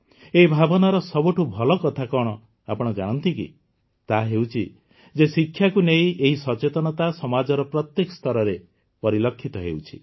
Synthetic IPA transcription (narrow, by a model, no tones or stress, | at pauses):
eibʱabɔnaɾɔsɔbuʈʰubʱɔlɔkɔt̪ʰakɔɽ̃ɔ | apɔɽ̃ɔd͡ʒaɽ̃ɔnt̪ikḭ | t̪aɦewt͡ʃʰi | d͡ʒesikʰːjakuneĩeɦisɔt͡ʃet̪ɔñɔt̪asɔmad͡ʒɔɾɔpɾɔt̪jekɔ̥st̪ɔɾɔɾe | pɔɾilɔkʰːit̪ɔɦḛuwt͡ʃʰi̥